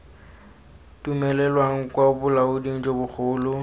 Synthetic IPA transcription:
tʼumɛlɛlwaŋ̩kʼwaʊbʊlaʊdiŋ̩d͡ʒobʊk͡xʰʊːlʊ

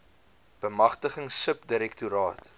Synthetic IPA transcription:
b̥əmɐχtəχəŋsəpdiɾɛktuɾɑːt

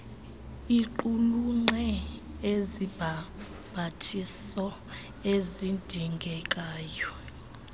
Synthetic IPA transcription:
iǃuluŋ͡ǃɛ | ezib̥ʱa | b̥ʱatʰissɔ | ezindʱiŋɡʱɛkʼaːjɔ

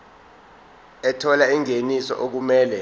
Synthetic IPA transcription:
ɛtʰɔlaiŋenisɔ̰ʔok̬umɛːlɛ

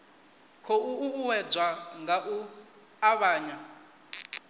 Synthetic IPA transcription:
kʰɔuːwɛd͡zwaŋɡaʔu | aβaːɲa

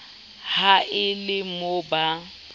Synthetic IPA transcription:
haʔɪlɪmoba

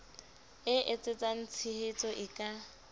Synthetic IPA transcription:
ɪʔɪt͡sʼet͡sʼan̩t͡sʰihet͡sʼɔʔɪkʼa

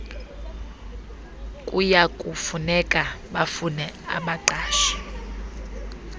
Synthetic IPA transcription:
kʼujakʼufunɛkʼaɓafunɛa̰ɓaǃaːʃḁ

